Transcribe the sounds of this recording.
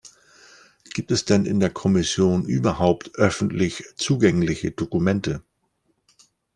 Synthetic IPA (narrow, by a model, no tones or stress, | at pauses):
ɡ̥iːp̚tɛsd̥ɛnɪ̰ndeːɐkʰɔmɪsjoːnʔyːbɐhaʊptʔœfn̩tʰlɪçt͡suːɡɛŋlɪçədokumɛntə